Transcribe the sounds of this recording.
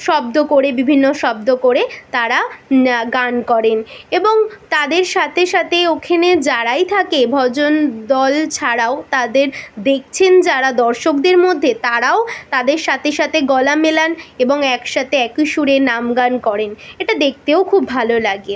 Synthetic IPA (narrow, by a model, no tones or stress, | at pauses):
ʃɔb̚d̪okoɾebibʱinːoʃɔbd̪okoɾet̪aɾaɡankɔɾeneboŋt̪ad̪eɾʃat̪ʰeʃat̪ʰeokʰaned͡ʑaɾajt̪ʰakebʱɔd͡ʑond̪ɔlt͡ɕʰaɾaot̪ad̪eɾd̪ek̚t͡ɕʰend͡ʑaɾad̪ɔɾʃok̚d̪eɾmod̪ʱːet̪aɾaot̪ad̪eɾʃat̪ʰeʃat̪ʰeɡɔlamelaneboŋɛkʃat̪ʰeɛkiʃuɾenamɡankɔɾeneʈad̪ek̚t̪eokʰubːʱalolaɡe